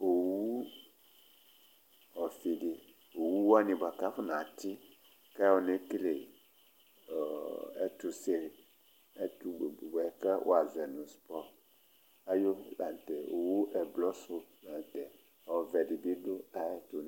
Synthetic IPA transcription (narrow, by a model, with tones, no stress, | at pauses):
o˨wu˦ | ɔ˨fi˨ɖi˨ | o˨wu˦wo˦a˦nĩ˨bo˨a˨ka˦fo˦nã˨t̪i˦ | kɛ˦wo˨nẽ˦kle˨ | ɛ˦t̪u˨se˦ɾi˨ | ɛ˦tu˨bɔ˨ɛ˨kɛ˦wʔo̰˦a˨zɛ˨nũ˨spɔ˦ | a˦jo˦la˨n˨t̪ɛ˨wo˨wu˦ʔɛ˨blɔ˦so˦lã˨n˨t̪ɛ˨ | ɔ˨vɛ˨ɖi˨bi˦ɖo˦a˨ɛ˦t̪o˨n˨